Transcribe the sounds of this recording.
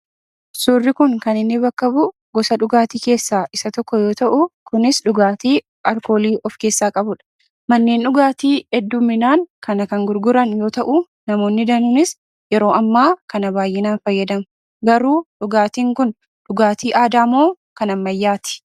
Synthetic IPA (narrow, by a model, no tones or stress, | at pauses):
sʊːrːɪkʊŋkɐnɪnːɪbɐkːɐbʊ | ɡɔsɐᶑʊɡaːt̪iːke̞ːsːaːʔɪsɐt̪ɔkːɔjo̞ːt̪ɐʔʊkʊnɪsᶑʊɡaːt̪iː | ʔɐɾko̞ːliːʔɔfke̞ːsːaːkʼɐbʊᶑɐ̥ | mɐnːeːnᶑʊɡaːt̪iːɛd̪ːʊmːɪnaːŋkɐnɐkɐŋɡʊɾɡʊɾɐnjo̞ːt̪ɐʔʊ | nɐmo̞ːnːɪd̪ɐnʊnɪs | jɛɾo̞ːʔɐmːaːkɐnɐbaːjʔɪnaːnfɐjːɐd̪ɐm | ɡɐɾuːᶑʊɡaːt̪iːŋkʊn | ᶑʊɡaːt̪iːʔaːd̪aːmoː | kɐnɐmːɐjːaːt̪ɪ̥